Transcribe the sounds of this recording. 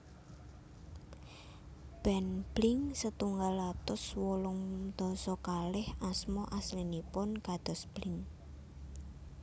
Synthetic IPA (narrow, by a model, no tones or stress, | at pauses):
b̥ɛnb̥lɪŋsət̪uŋɡalːat̪ʊswɔlʊŋd̪̥ɔsɔkalɪhasmɔʔaslinipʊnkad̪̥ɔ̤sb̥lɪŋ